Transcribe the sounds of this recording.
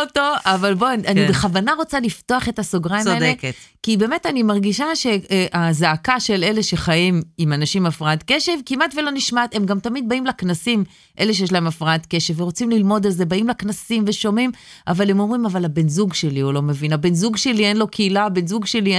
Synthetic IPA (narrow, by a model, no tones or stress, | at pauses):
ot̪oavalbonanibeχavanaʁo̞t͡salifto̞aχe̞tasoɡʁaimaeekekibe̞ːmetanimaʁɡiʃaʃe̞ʔazaakaʃe̞le̞le̞ʃe̞χajimimanaʃimafʁaat̪ke̞ʃe̞vkimat̪velo̞niʃmat̪e̞mɡamt̪amid̪̚baimlaknasim | ʔe̞̰leʃejeʃ̬lae̞mafʁaat̪ke̞ʃevːeʁot͡simlilmo̞d̪alze̞baimlaknasimve̞ʃo̞mimʔavale̞mo̞mʁimavalabe̞nzuɡʃe̞liulo̞me̞vinabe̞nzuɡʃe̞lienlo̞kʰeilabenzuɡʃe̞li